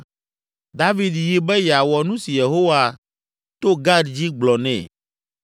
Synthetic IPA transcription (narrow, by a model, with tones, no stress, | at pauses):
d̪a˦vi˨d̪ji˨bɛ˦jɛ˨a˨wɔ˨nũ˦si˨je˨ɦo˦wa˨ | t̪o˦ɡa˦dd͡ʑi˦ɡ͡blɔ˨nɛ̰̃˨